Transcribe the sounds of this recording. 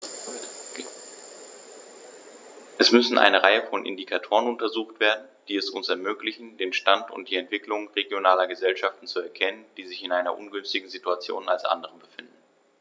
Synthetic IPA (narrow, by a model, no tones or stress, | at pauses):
ʔɛsmʏsn̩ʔa̰ɪnəʁaɪəfɔnʔɪ̰ndikʰatʰoːʁ̞ənʊntɐzuːxtv̥eːɐdn̩d̥iːɛsʊnsɛɐmøːklɪçn̩deːnʃtantʊ̰nt̚d̥iːɛntv̥ɪklʊŋʁeɡjonaːlɐɡəzɛlʃaftn̩t͡suɛɐkʰɛnənd̥iːzɪçɪnʔaɪnɐ̰ʔʊnɡʏnstɪɡŋ̩zituat͡sjo̰ːna̰lsʔa̰ndəʁəbəfɪndn̩